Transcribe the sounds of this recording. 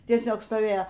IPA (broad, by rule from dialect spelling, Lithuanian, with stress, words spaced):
tʲiɛˈsʲoːk stoːˈʋʲeːjoː